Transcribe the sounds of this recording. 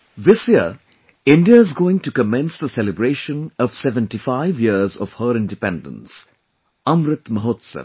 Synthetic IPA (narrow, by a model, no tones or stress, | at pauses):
ʋɪsjə̰ | ɪ̃nɖiaɪzɡoːɪ̃ŋʈukəmɛ̃nsd̪əsɛlɪbɾeːʃə̃nɔʋsɛʋə̃nʈifaɪʋjiəzɔ̰ʋ̥həɾɪ̃nɖɪpɛ̃nɖə̰̃ns | ʌ̃mɾɪt̪məɦoːt̪sə̰ʋ